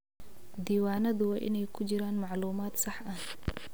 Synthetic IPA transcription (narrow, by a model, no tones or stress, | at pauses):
d̪iːwaːnɐðʊwɑːʔɪ̰nɛjkʰʊt͡ʃɪɾaːnmɑʕluːmaːd̪sɑħʔɐh